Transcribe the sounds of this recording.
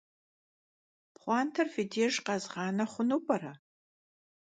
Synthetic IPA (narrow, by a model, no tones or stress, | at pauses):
pχʷɑːntʰɐrfideʒqɑzʁɑːnɐχʷʊnuːpʼɐɾɐ